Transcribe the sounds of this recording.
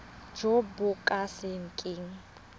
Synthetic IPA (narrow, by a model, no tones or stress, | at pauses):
d͡ʒobʊkʼasɪŋ̩kʼɪŋ̩